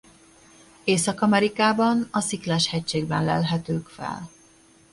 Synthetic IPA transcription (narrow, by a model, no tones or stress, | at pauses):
eːsɒkɒmɛɾikaːbɒnɒsiklɛʃhɛc̚t͡ʃeːɡbɛnlɛ̰lɦɛt̪øːkfɛ̰l